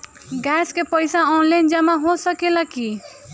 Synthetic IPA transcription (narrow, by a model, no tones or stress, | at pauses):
ɡɛskepəjsaɔnland͡ʒamãɦosəkelaki